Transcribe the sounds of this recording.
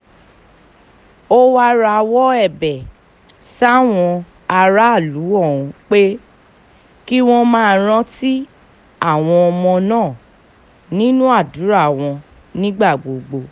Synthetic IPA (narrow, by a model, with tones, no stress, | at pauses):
o˦wa˦ɾa˧wɔ˦ɛ˦˨bɛ˨ | sa˦˨w̃ɔ̃˧ | a˧ɾa˦˨lu˨˦ɔ˦˨ũ˨k͡pe˦ | ki˦w̃ɔ̃˦mãː˦˨ɾ̃ã˦ti˦ | a˦˨w̃ɔ̃˧ɔ˧mɔ̃˧nãː˦˨ | nĩ˦nũ˦a˦˨du˨˦ɾa˦˨w̃ɔ̃˧ | nĩ˦ɡ͡ba˦˨ɡ͡bo˨ɡ͡bo˧